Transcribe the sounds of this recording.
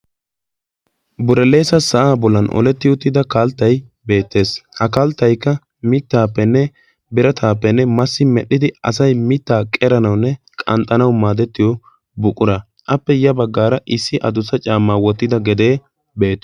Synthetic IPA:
bʊɾɛle̞ːsɐsɐʔaːbɔlːɐnʔɔ̰lɛt̪ːɪjɔt̪ːɪd̪ɐkɐlt̪ːɐjbe̞ːt̪ːe̞ːshɐkɐlt̪ːɐjkːɐ | mɪt̪ːaːpːɛnːɛ | bɪɾɐt̪ʰaːpːɛnːɛmɐsːɪmɛɗːɪd̪ɪɐ̰sɐjmɪt̪ːaːkʼɛɾɐnɐwnːɛ | kʼɐ̰nt̪ʼːɐnɐwmaːd̪ɛt̪ːɪjɔ | bʊkʼːʊɾɐ | ʔɐpːɛjɐbɐɡːaːɾɐʔɪsːɪʔɐd̪ʊsɐt͡ʃʼaːmːaːwɔt̪ːɪd̪ɐɡɛd̪e̞ː | be̞ːt̪ː

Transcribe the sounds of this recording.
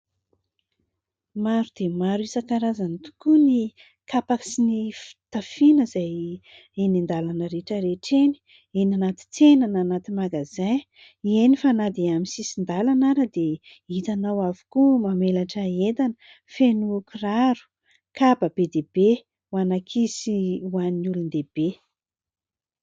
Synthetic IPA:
maɾud̪̥emaɾuisəkaɾazanit̪u̥kuni | kapaksinifi̥t̪afinəzaj | enind̪alanəɾeʈ͡ʂəɾeʈ͡ʂeni̥ | enanat̪i̥t͡senananat̪imaɡazaj | ienifanad̪eaminsisind̪alanaɾəd̪e | it̪anawavu̥kumamelaʈ͡ʂəet̪anə | fenukuraɾu̥ | kabəb̥ed̪ebe | wanakʰisiwanulund̪eb̥e

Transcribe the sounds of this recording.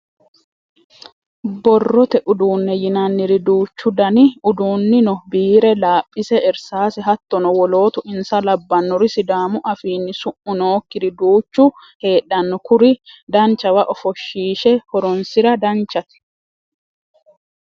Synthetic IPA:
bɔrːɔt̪ɛʔʊd̪uːnːɛjɪnɐnːɪɾɪd̪uːt͡ʃːʊd̪ɐnɪʊd̪uːnːɪnɔbiːɾɛlaːpʼːɪsɛɛɾsaːsɪɦɐt̪ːɔnɔwɔlo̞ːt̪ʊʔɪnsɐlɐbːɐnːɔɾɪsɪd̪aːmʊʔɐfiːnːɪsʊʔʊnoːkːɪɾɪd̪uːt͡ʃːʊ | he̞ːᶑːɐnːɔkʊɾɪd̪ɐnt͡ʃːɐwɐʔɔfɔʃːiːʃɛhɔɾɔnsɪɾɐd̪ɐnt͡ʃːɐt̪ɪ̥

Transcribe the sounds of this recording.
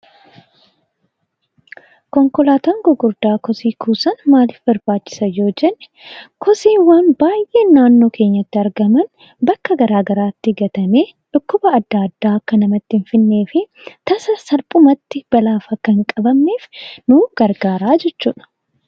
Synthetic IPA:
kɔŋkɔlaːt̪ɐŋɡʊɡʊɾd̪aːkɔsiːkʰuːsɐnmaːlɪfbɐɾbaːt͡ʃːɪ̥sɐjo̞ːd͡ʒɛnːɛ̥ | kɔsiːwɐnbaːjʔe̞ːnːaːnːo̞ːkʰe̞ːɲːɐt̪ːɪɐɾɡɐmɐn | bɐkːɐɡɐɾaːɡɐɾaːt̪ːɪɡɐt̪ɐme̞ːᶑʊkːʊbɐːd̪ːaɐd̪ːaːkːɐnɐmɐt̪ːɪɪɱfɪnːe̞ːfɪt̪ɐsɐsɐlpʼʊmɐt̪ːɪb̥ɐlaːfɐkːɐŋkʼɐbɐmːe̞ːfnuːɡ̥ɐɾɡaːɾaːd͡ʒɛt͡ʃːuːᶑɐ̥

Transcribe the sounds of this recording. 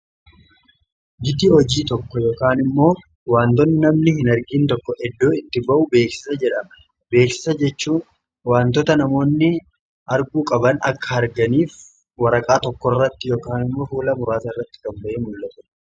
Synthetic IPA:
d͡ʒɪt̪iːhɔd͡ʒiːt̪ɔkːɔjo̞ːkaːnɪmːo̞ː | waːnt̪ɔnːɪnɐmnɪhɪnɐɾɡiːnt̪ɔkːɔʔɛd̪ːoːɪt̪ːɪbɐʔʊbeːksɪ̥sɐd͡ʒɛᶑɐm | be̞ːksɪ̥sɐd͡ʒɛt͡ʃːuːn | waːnt̪ɔt̪ɐnɐmo̞ːnːɪ | ʔɐɾɡuːkʼɐbɐnɐkːɐɐɾɡɐniːf | wɐɾɐkʼaːt̪ɔkːɔrːɐt̪ːɪjoːkaːnɪmːo̞ːfuːlɐmʊɾaːt̪ɐɪrːɐt̪ːɪ̥kɐmbɐʔeːmʊlːɐt̪ɐ

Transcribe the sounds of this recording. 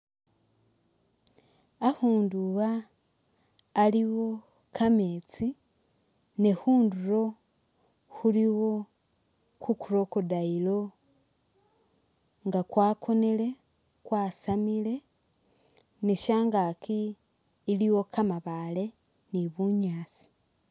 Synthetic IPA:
ahuːnduβa | liwo̞ | kʰamet͡si | nehuːnduɾo̞ | xuliwo̞ | kukuɾo̞kudailo̞ | ŋɡakwaːkʰo̞nele̞ | kwaːsamile̞ | neʃaːŋɡakiː | liwo̞kamaβale̞ | niβuɲaːt͡si̥

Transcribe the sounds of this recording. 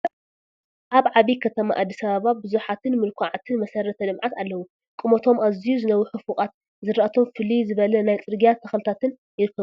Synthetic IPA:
ʔaβʕaβikʰɐt̪ʰɐma̰ʔad̪ːisɐβaβabɨzuħat̪ʰɨnmɨlkʷʰaʕat̪ʰɨnmɐsɐɾɐt̪ʰɐlɨmʕat̪alːɐwu | kʼɨmot̪ʰo̞mazijuzɨnɐwuħɨfuχʼat̪̚ | zɨɾaʔat̪ʰo̞mfɨlizɨβɐlɐnajt͡sʼɨɾɡijat̪ʰːɐxlɨt̪ʰat̪ʰɨn | jɪɾɨkʰːɐβu

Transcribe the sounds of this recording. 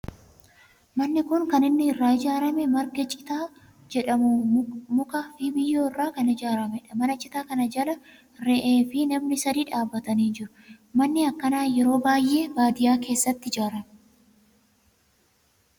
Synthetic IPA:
mɐnːɪkʊŋkɐnɪnːɪːrːaːɪd͡ʒaːɾɐmɛmɐɾɡɛt͡ʃʼːɪ̥t̪aː | d͡ʒɛᶑɐmʊmʊkɐfibɪjːoːɪrːaːkɐnɪd͡ʒaːɾɐmɛᶑɐmɐnɐt͡ʃʼːɪt̪aːkɐnɐd͡ʒɐlɐ | ɾɛʔeːfɪnɐmnɪsɐd̪iːᶑaːbːɐt̪ɐniːnd͡ʒɪɾʊ̥ | mɐnːɪɐkːɐnaːnjɛɾo̞ːbaːjːe̞ːbaːd̪ɪjaːke̞ːsːɐt̪ːɪɪd͡ʒaːɾɐmɛ̥

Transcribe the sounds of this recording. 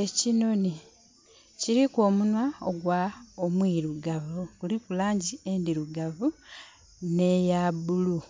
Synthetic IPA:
e̞cino̞ni | ciɾiko̞ːmunwaoɡwaomwiɾuɡavukulikulaːɲɟie̞ndiɾuɡavu | ne̞jabulu

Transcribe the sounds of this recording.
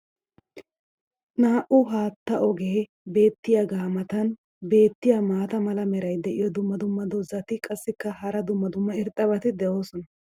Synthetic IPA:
naːʔʊɦaːt̪ːɐʔɔɡeː | be̞ːt̪ːɪjaɡaːmɐt̪ɐn | be̞ːt̪ːɪjamaːt̪ɐmɐlɐmɛɾɐjd̪ɛʔɪjɔd̪ʊmːɐd̪ʊmːɐd̪ɔzɐt̪ɪkʼɐsːɪkːɐhɐɾɐd̪ʊmːɐd̪ʊmːɐɪɾt̪ʼːɐbɐt̪ɪd̪ɛʔo̞ːsɔnɐ

